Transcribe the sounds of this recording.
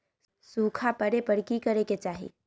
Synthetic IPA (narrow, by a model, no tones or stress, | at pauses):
suːkʰapəɾepəɾkikəɾeket͡ʃaːɦḭ